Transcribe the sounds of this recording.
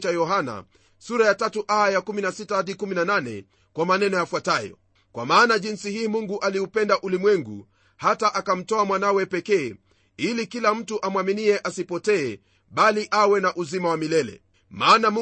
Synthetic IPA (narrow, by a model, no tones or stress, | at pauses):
t͡ʃajɔɦana̰ | suɾajatatuʔajajakuminasitahaɗikuminananɛ̰ | kwamanɛnɔjafwatajɔ̰ | kwa̰maːnaʄinsihiːmuŋɡuʔaliupɛndaʔulimwɛŋɡṵ | hataʔakam̩tɔamwanawɛpɛkɛː | ilikilam̩tuʔamwaminiɛʔasipɔtɛː | ɓaliʔawɛnaʔuzimawamilɛlɛ̰ | maːnam